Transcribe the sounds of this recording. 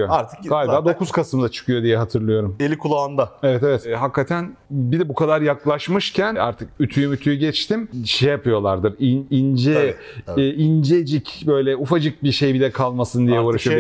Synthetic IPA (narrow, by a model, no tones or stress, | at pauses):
joaɾt̪ʰɯ̥kɡaːlʲibaːd̪o̞kʰuz̥kʰasɯmd̪at͡ʃʰɯ̥kʰɯjo̞d̪ijɛɦat̪ʰɯɾlˠɯjo̞ɾumelʲikʰulˠaand̪aevɛt̪evɛt̪ɦakʰːat̪ʰænbid̪ɛbukʰad̪aɾjaklˠaʃmɯʃcʰæna̰ɾt̪ʰɯk̚yt̪ʰyjymyt̪ʰyjyɟɛt͡ʃt̪ʰimʃejjapʰɯjo̞lˠaɾd̪ɯɾinind͡ʒɛː | ind͡ʒed͡ʒicbø̞jlʲɛufad͡ʒɯk̚biʃejbilʲɛkʰalˠmasɯnd̪ijɛuːɾaʃɯjo